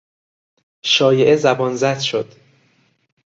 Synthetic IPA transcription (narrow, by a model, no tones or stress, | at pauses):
ʃɒːjeʔezæbɒːnzæd̪̥ʃod̪̥